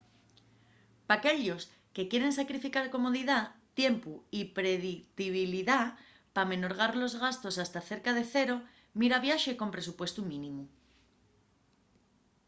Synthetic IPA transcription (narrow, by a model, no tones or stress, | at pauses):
pake̞ʎo̞s | ke̞kje̞ɾẽ̞nsakɾifikaɾko̞mo̞ð̞iðat̪je̞mpuipɾe̞ðikt̪iβiliða | pamẽ̞no̞ɾɣ̞aɾlo̞zɣast̪o̞sast̪aθe̞ɾkað̞e̞θe̞ɾo̞ | miɾaβjaʃe̞ko̞mpɾe̞supwe̞st̪umĩnĩmu